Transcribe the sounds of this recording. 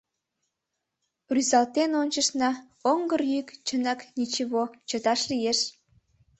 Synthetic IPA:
ryzɑlt̪enonʲt͡ɕəʃnɑ | oŋɡərjykt͡ɕənɑknit͡ɕiβot͡ɕə̆t̪ɑʃlijeʃ

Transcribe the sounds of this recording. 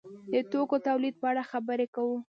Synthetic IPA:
d̪ət̪okot̪awlid̪̚pəaɽaxabəɾekawu

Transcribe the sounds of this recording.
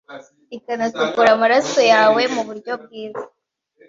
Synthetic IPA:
ikanasukuɾamaɾaso̞jaːwe̞muβuɾɟo̞b̚ɡiːza

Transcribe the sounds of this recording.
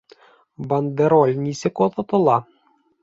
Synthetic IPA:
band̪eɾolʲnʲisɘ̆koðɤ̆t̪ɤ̆lˠɑ

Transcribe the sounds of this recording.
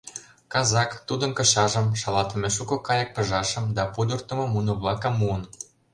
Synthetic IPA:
kɑzɑkt̪ud̪ə̆nkɤ̆ɕɑʒə̆mʃɑlɑt̪ĕmeʃukɤ̆kɑjək̚pə̆ʒɑʃə̆md̪ɑpud̪ərt̪ə̆mɤ̆munŏβlɑkə̆mːuən

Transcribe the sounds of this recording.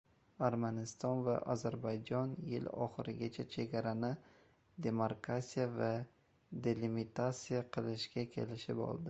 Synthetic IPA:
aɾmanɪst̪ɒnva̰ʔɒzaɾbajd͡ʒɒnjɪ̰lɒ̰χɨɾɪɡʲat͡ʃʰat͡ʃʰe̞ɡʲaɾanɪ | d̪e̞maɾkʰasijava | d̪e̞lɪmit̪ʰat̪sijaqʰɨlˠɪʃɡʲakʲʰe̞̰lɪʃɪpɒ̰lˠd̪ɪ

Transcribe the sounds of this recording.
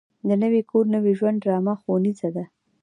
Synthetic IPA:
d̪ənəwekʰoɾnəwiʒwand̪ɾɑmaxonizad̪a

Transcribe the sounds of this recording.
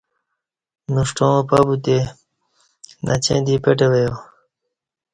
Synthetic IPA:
nuʂʈõːpabut̪e | nʔa̰t͡ɕḛ̃ːd̪ipeʈewejo

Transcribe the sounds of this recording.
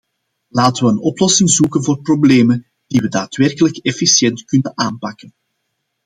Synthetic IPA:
laːtəʋəənɔplɔsɪŋzuːkənvoːrprobleːmən | d̥iʋədaːtʋɛrkələkɛfisjɛntkɵnənaːmpɑkən

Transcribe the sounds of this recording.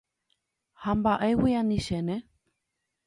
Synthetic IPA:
hambaʔewianĩʃenẽ

